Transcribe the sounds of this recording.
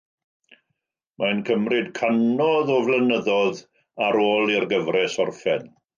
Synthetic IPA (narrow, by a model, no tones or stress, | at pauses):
mʔankʰəmrɪdkʰanɔðɔvlənəðɔð | aɾoːlˠirɡəvrɛsɔrfɛn